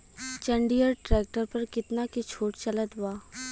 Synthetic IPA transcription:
t͡ʃɐ̃ɳɖijəɾʈɾɛːk̚ʈəɾpɐɾkɪt̪nakit͡ʃʰoːʈt͡ʃɐlət̪ɦʊaː

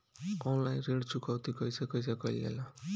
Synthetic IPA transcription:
ɔnlajnreɽt͡sukawt̪ikʌjsʌkʌjsakʌjlḛla

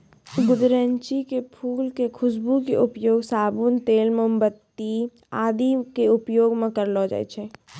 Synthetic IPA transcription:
ɡʊd̪ɾəɲt͡ʃikepʰuːlkekʰʊsbukeʔʊpjoːɡsaːbuːnt̪eːlmeʊmbət̪ːi | aːd̪ikeʊpjoːɡmẽkəɾlɔd͡ʒa̰ːɛ̰t͡ʃʰɛ

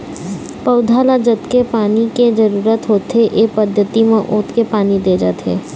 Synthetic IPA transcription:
pɐʊd̪ʱaːlad͡ʒət̪kepaːniked͡ʒəɾuːɾət̪ɦoːt̪eʔeːpəd̪ʱjət̪imẽʔoːt̪kepaːnid̪ed͡ʒa̰ːt̪ḛː

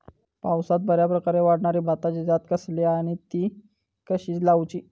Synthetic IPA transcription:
pawsat̪̚bʱəɾjapɾəkaɾeʋaɽɳaɾibʱat̪at͡ɕid͡z̪at̪kəsliaɽ̃it̪iː | kəɕiːlawt͡ɕiː

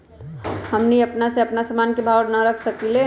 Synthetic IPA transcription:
həmniɐpnaseɐpnasəmaːnkebʱaɾnaɾəkʰsəkile

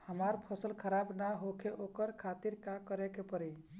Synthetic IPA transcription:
həmaɾpʰəsəlkʰəɾabnaɦokʰeʔokəɾkʰat̪iɾkakəɾekepəɾɛj

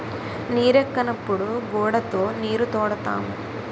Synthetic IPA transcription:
niːɾɐkːɐnɐpːuɽuɡoːɽɐt̪oːniːɾut̪oːɽɐt̪a̰ːmu

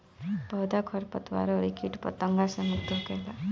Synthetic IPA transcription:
bɔd̪akʰɔɾpɔt̪wa̰ɾɔɾikʰiʈpɔ̰t̪ɔŋɡasə̃mukt̪ɔkela

